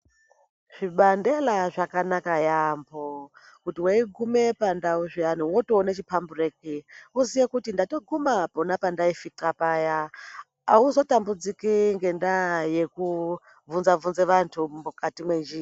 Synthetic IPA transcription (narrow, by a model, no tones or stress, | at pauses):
ʐ̥iɓandelaʐakanakajambo | kutiwaiɡʱumepandauʐianiwotoːnet͡ʃipʰamburek̚iusijekutindatoɡʱumaponapandaifitrapaja | auzo̞tambud͡zikiŋɡe̞ndajeku | vunzavunzeʋantʰumukatimwend͡ʒiː